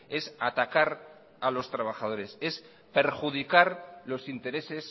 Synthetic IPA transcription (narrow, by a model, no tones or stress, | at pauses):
e̞sat̪akaɾ | alo̞st̪ɾaβ̞axað̞o̞ɾe̞se̞s | pe̞ɾxuðikaɾlo̞sint̪e̞ɾe̞se̞s